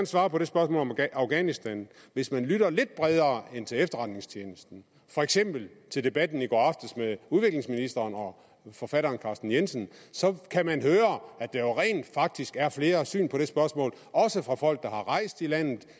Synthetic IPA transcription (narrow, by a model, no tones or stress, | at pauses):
nsʋɑ̈ːpʰɒ̽ɾ̥e̝sb̥ɶɐsmɔ̰ːlɒmɑ̈ʊɡ̥ænisd̥æn | ʋe̝smænlyɾɐle̝d̥̚b̥ʁɛð̞ˠɐːent͡sʰe̝lefd̥ɐʁɑ̈d̥ne̝ŋst͡ɕʰjeːnəsd̥n̩ | fɒ̽eɡ̥sem̰b̥l̩t͡sʰe̝ld̥e̝b̥æd̥n̩iɡ̥ɒ̰ɑfd̥əsmeðˠuðˠʋe̝ɡ̥le̝ŋsminisd̥ɐːnɒ̽ | fɒ̽fæɾ̥ɐːnkʰɑ̈sd̥n̩jensən̩sɒ̽kʰæmænɦøːɐæd̥ɑ̈joʁɛ̰ːnd̥fɑ̈ɡ̥̚d̥isɡ̥æɐfle̝ːɐsy̰ːnpʰɒ̽ɾ̥e̝sb̥ɶɐsmɔ̰̽ːl | ɒ̽səfʁɑ̈fɒ̽l̰ɡ̥̚d̥ɑ̈hɑ̈ʁɑ̈ɪsd̥ilæn̰ð̩ˠ